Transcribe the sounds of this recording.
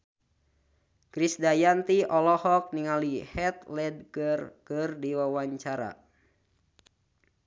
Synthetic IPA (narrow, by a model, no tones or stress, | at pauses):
kɾisdajant̪iɔlɔhɔk̚niŋalihɛt̪lɛd̚kərkɨrdiwawaɲt͡ʃaɾa̰